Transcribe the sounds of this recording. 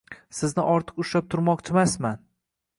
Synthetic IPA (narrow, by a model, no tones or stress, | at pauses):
sɪznɪʔɒɾt̪ʰɨ̥qʊʃap̚t̪ʰʊɾmɒqt͡ʃʰɪmasman